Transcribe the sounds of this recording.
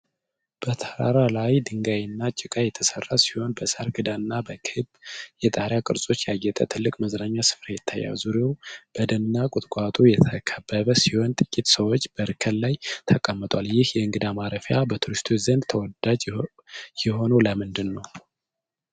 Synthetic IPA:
b̥ət̪ʰəɾa̰ɾalajd̪ɨŋɡajɪnːat͡ʃʼɪkʼajɛt̪ʰəsərːasi̥ho̞nbəsəɾɡɨd̪anːabəkʰɨbjɛt̪ʼaɾjakʼɨɾsʼo̞t͡ʃːjɛajːɛt̪ʼə̰t̪ʰɨlːɨkʼməzɾaɲːasɨ̥fɾajɛt̪ʰːa̰jːa̰wzuɾjewb̥əd̪ənɨnːakʼʊt̪ʼkʼat̪ʼujɛt̪ʰəkʰəbːəβəsiho̞nt̪ʼɨkʼːit̪səwot͡ʃːb̥əɾɨkʰəllːajt̪ʰəkʼəmːət̪ʼwaljɪhjɛɨŋɡɨd̪amaɾəfjabət̪ʰuɾist̪ʰozənd̪t̪ʰəwɔd̪ad͡ʒ | jɪho̞noləmɨnd̪ɨnːəw

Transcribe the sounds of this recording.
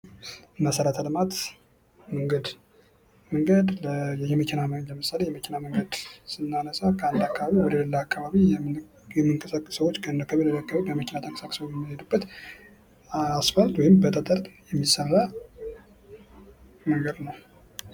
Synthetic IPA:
məsəɾat̪ʰalmat̪ | məŋɡəd̪ | məŋɡəd̪ləjɛjɛməkʰinamləmɨsalejɛməkʰinaməŋɡəd̪sɨnːanəsakʰəand̪akʰːaβaβiwɔd̪eləlːəakʰːaβaβi | jɛmːɨŋkʼəsakʼːɨsəwot͡ʃːkʰənd̪kʰːəβeləlːəakːaβaβibəməkʰʲɪnat̪ʰəkʼəsakʼɨsəwɛmːɨhed̪ubːət̪ | asfalt̪wɔjɪmbət̪ʼət̪ʼəɾt̪jɛmːisːəra | məŋɡəd̪nəw

